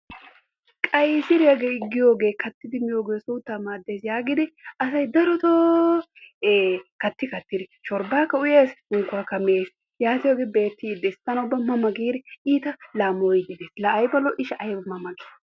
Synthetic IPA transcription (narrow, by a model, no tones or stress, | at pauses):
kʼɐjsɪɾɪjɐɡeːɪɡːɪjo̞ːɡe̞ːkɐt̪ːɪd̪ɪmɪjo̞ːɡe̞ːsuːt̪ːaːmaːd̪ːe̞ːsjaːɡɪd̪ɪɐsɐjd̪ɐɾɔt̪oː | kɐt̪ːɪkɐt̪ːɪd̪ɪʃɔɾbaːkːɐʊjeːshʊŋkʊwaːkɐmeːs | jaːt̪ɪjoːɡeːbe̞ːt̪ːiːd̪ːɛːst̪ːɐnʊbːɐmɐmɐɡiːɾɛiːt̪ɐlaːmoːjɪd̪ɪd̪eːslɐɐjbɐlɔʔɪʃɐʔɐjbɐmɐmɐɡi̥ː